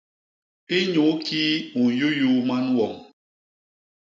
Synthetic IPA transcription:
e˦ɲo˨˦ki˦u˨jo˦ju˦ma˦n˦wɔ˨ŋ

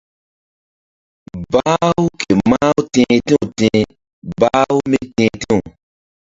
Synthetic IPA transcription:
baː˦wu˦kʰe˨ma˦u˦tẽː˧˦tẽ˦ũ˨tẽ˧˦ | ba˦u˦mi˦tẽː˧te˦u˨

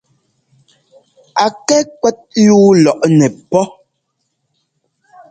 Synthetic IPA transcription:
a˨kɛ˦kwɛ˦t̚juː˦lɔ˨ʔnɛ˨pɔ˦

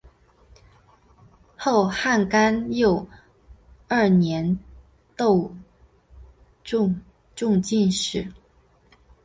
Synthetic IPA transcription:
xo˥˧ʊxa˥˩nka˥njo˨˩ʊ | ə˞˥˩njɛ˧˥n | t̪o˥˧ʊ˥˧ | ʈ͡ʂʊ˥˧ŋt͡ɕi˥˧nʂɻ̩˥˩˦

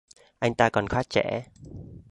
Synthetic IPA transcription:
ʔa˧jŋ̟t̪aː˧kɔ˨˩nxwaː˦˥t̚t͡ɕɛ̰˧˥

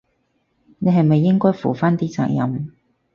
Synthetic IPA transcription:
ne˨˧jɦɐ˨jmɐ˨jːɪ˥ŋkɔː˥jfṵː˨˩faː˥nt̪iː˥t͡sa̰ː˧ŋjɐ̰˨m

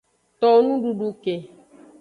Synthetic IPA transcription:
t̪ɔ˨˦nũ˦ɖu˦ɖu˧ke˨

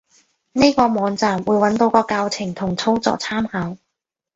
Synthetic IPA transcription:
ne˥jkɔː˧mɔː˨˧ŋt͡saː˨˩mwuː˨˧jwɐ˨˥nt̪o˧wkɔː˧kaː˧wt͡sʰɪ˨˩ŋt̪ʰʊ˨˩ŋt͡sʰo˥wt͡sɔ̰ː˧k̚t͡sʰaː˥mhaː˨˥w

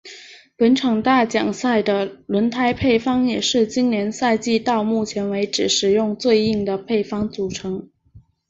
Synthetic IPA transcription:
pə˧˥nʈ͡ʂʰɑ˨˩ŋt̪a˥˩t͡ɕjɑ˨˩ŋsa˥˩ɪd̪ə˩lwə˧˥nt̪ʰa˥ɪpʰe˥˩ɪfɑ˥ŋjɛ˨˩ʂɻ̩˥˩t͡ɕi˥nnjɛ˧˥nsa˥˧ɪt͡ɕi˥˧t̪ɑ˥˧ʊmu˥˩t͡ɕʰjɛ˧˥nwe˧˥ɪʈ͡ʂɻ̩˨˩ʂɻ̩˨˩jʊ˥˧ŋt͡swe˥˧ɪi˥˩ŋd̪ə˩pʰe˥˩ɪfɑ˥ŋt͡su˨˩ʈ͡ʂʰɤ˧˥ŋ

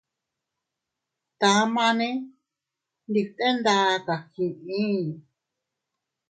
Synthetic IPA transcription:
t̪a˨˧˦mã˧nẽ˦ | nd̪i˧t̪ẽ˦nd̪a˧ka˨kĩ˨ʔĩ˦˨

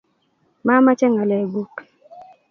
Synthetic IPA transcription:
ma˦ma˦t͡ʃɛ˦ŋa˨lɛ˨ɡu˦k

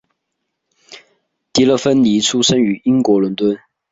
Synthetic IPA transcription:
t̪i˨˥lə˥˨fə˥nli˧˥t͡sʰu˥ʂə˥ŋy˧˥i˥ŋkwɔ˨˧˥lə˧˥nt̪wə˥n

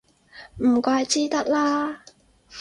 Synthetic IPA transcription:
m̩˨˩kʷwaː˧jt͡siː˥t̪ɐ˥k̚laː˥

